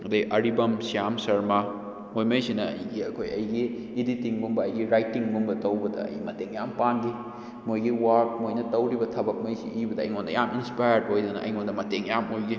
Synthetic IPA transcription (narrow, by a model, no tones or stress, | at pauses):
ɐdɐʔɐɾibɐmsijamsɐɾma | mojmɐjsinɐɐ̰jɡiɐ̰kʰojɐjɡiː | ditiŋɡumbɐːjɡiɾajtːiŋɡumbɐtɐwbɐdɐ̰ɐ̰jmɐteŋjampanɡi | mojɡiwɐɾk̚mojnɐtɐwɾibɐtʰɐbɐk̚mɐjsḭʔibɐdɐɐ̰jŋondɐ̰jaminspajɐɾdhojdɐnɐ̰ʔɐ̰jŋondɐmɐteŋjamojɡi